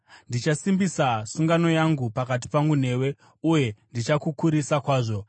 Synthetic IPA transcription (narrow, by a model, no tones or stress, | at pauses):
ndit͡ʃasimbisasuŋɡano̞jaŋɡupakat̬i̥paŋɡun̤e̞ːwe̞ | uje̞ndit͡ʃakukuɾisakwaːʐo̞